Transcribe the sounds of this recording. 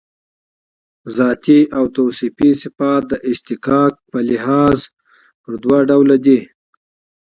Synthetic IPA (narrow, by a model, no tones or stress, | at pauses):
zɑt̪iʔawt̪owsipisɪfɑt̪̚d̪əʔɪʃt̪ɪkɑk̚pəlɪhɑz | pəɾd̪wɑɖawlad̪i